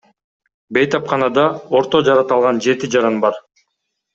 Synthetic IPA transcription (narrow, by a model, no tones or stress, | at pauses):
be̞jt̪ɑpqɑnɑd̪ɑo̞ɾt̪o̞d͡ʒɑɾɑt̪ɑlˠʁɑnd͡ʒe̞t̪id͡ʒɑɾɑnbɑɾ